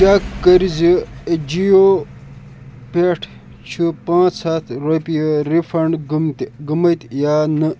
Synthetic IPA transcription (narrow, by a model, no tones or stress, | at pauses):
aːkɐɾizid͡ʑijo | peʈʰ | t͡ʃʰupãːt͡ssaːt̪ʰɾopijəɾifɐɳɖɡmt̪ɡumɐt̪jaːnɨ